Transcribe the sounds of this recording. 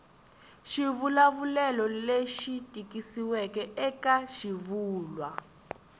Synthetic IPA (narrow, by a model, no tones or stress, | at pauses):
ʃiβulaβulɛlɔleʃitʼikisiwɛkɛʔɛkaʃiβuːlwa